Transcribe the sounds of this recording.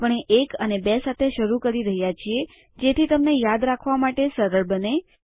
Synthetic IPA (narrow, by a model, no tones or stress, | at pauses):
pəɳ̃eʔekənebesat̪ʰeʃəɾukəɾiɾəɦjat͡ʃʰie | d͡ʒet̪ʰit̪əmnejad̪ɾakʰʋamaʈesəɾəɭbəne